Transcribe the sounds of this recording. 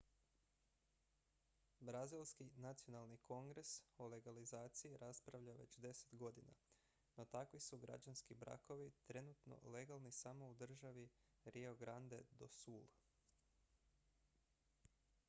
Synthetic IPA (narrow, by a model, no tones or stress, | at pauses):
bɾazilˠskinat̪sio̞nalˠnikʰo̞ŋɡɾe̞sole̞ɡalizaːt̪sijiɾʔaspɾaʋʎaʋe̞̰t͡ɕd̪e̞se̥t̪ɡo̞d̪ina̰ | no̞t̪akʋisuɡɾa̰d͡ʒanskibɾa̰ko̞ʋit̪ɾe̞nut̪no̞̰le̞ɡalˠnisamo̞ud̪r̩ʒaʋi | ɾioɡɾand̪e̞d̪o̞̰suːlˠ